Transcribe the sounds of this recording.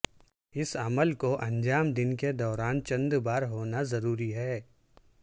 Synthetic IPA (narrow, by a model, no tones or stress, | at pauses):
ɪsəməlkoʔɐ̃nd͡ʒaːmd̪ɪnked̪ɔːɾaːnt͡ʃɐ̃nd̪baːɾɦoːnazɐɾuːɾiɦɛː